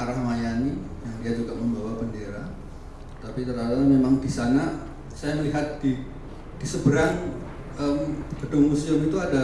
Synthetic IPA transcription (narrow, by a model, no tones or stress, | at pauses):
aɾahmajanijaŋdiad͡ʒuɡaməmbawapəndeɾa | t̪apit̪əɾaɾat̪memaŋdisana | sajaməliɦat̪̚di | d̥isəbəɾaŋ | əmb̥ədʊŋmusiəmit̪uada